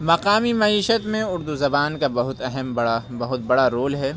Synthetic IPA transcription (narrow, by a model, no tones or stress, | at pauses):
mɐqaːmimɐiːʃət̪mẽʊɾd̪uzɐbaːnkabɐɦʊt̪ɐɦɛmbɐɽabɐɦʊt̪̚bɐɽaɾoːlɦɛː